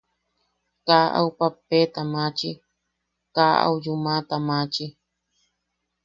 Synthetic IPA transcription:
kaʔa̰wpapet̪amãt͡ʃi | kaa̰ujumat̪amãt͡ʃi

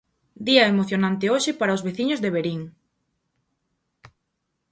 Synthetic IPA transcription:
d̪iɐemoθjonãnt̪ɪoʃɪpaɾɐozβeθiɲʊzðeβeɾiŋ

